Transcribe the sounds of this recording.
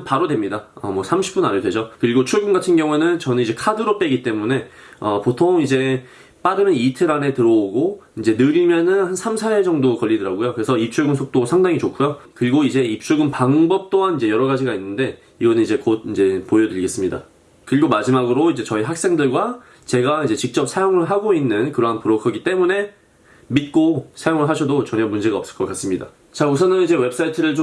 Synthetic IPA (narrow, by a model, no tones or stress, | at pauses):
paɾodwemɲidaʌmwʌsʰamɕʰi̥p͈unaɾedwe̞d͡ʑokɯɾiɡot͡ɕʰuɭɡunɡatʰɯnɡjʌŋue̞nɯnt͡ɕʌnɯnid͡ʑe̞kʰadɯɾop͈e̞ɡit͈e̞mune̞ | ʌpotʰoŋid͡ʑe̞ | p͈aɾɯmjʌnitʰɯɾane̞tɯɾʌoɡoind͡ʑe̞nɯɾimjʌnɯnhansʰamsʰaed͡ʑʌŋdokʌʎːidɯɾaɡojokɯɾe̞sʰʌip̚t͡ɕ͈ʰuɭɡɯnsʰok̚t͈osʰaŋdaŋit͡ɕokʰujokɯɾiɡoid͡ʑe̞ip̚t͡ɕ͈ʰuɭɡɯnpaŋbʌp̚t͈oɦanid͡ʑe̞jʌɾʌɣad͡ʑiɡainːɯnde̞ | iɡʌnɯnid͡ʑe̞kod̚ind͡ʑe̞pojʌdɯʎɡe̞s͈ɯmɲida̰ | kɯɾiɡomad͡ʑimaɡɯɾoid͡ʑe̞t͡ɕʌiɦak̚s͈e̞ŋdɯɭɡwa | t͡ɕe̞ɡaid͡ʑe̞t͡ɕik̚t͡ɕ͈ʌp̚sʰajoŋɯɭɦaɡoinːɯnkɯɾʌɦanpuɾʌkʰʌɡit͈e̞mune̞ | mit̚k͈osʰajoŋɯɭɦaɕʰʌdot͡ɕʌɲʌmund͡ʑe̞ɡaʌp̚s͈ɯ̥ɭk͈ʌk͈as͈ɯmɲida̰ | t͡ɕauksʰʌnɯnid͡ʑe̞we̞p̚s͈aitʰɯɾɯɭt͡ɕo